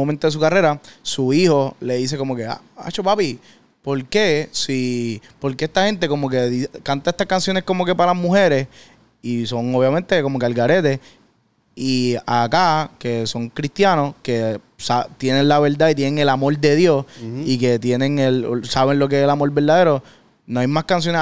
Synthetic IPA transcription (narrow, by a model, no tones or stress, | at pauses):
oment̪oðes̬ukare̞ɾasuiho̞le̞ðise̞ko̞mo̞ke̞a̰ | a̰t͡ʃopapi | po̞ɾke̞sipo̞ɾkeest̪ahe̞nt̪e̞ko̞moke̞ðikant̪aest̪ahkansjo̞nesko̞mo̞ke̞palazmuhe̞ɾe̞s | iso̞ŋoβjame̞nt̪e̞komokealɡaɾe̞t̪e̞ | iakake̞so̞ŋkɾist̪jano̞ske̞ | sat̪jenẽnlaβe̞ɾd̪ait̪jeneŋe̞lamo̞ɾd̪e̞ðjo̞sike̞t̪je̞nẽ̞ŋelsaβenlo̞k̬eeselamo̞ɾbe̞ɾd̪aðe̞ɾo̞ | noajmaskans̬jone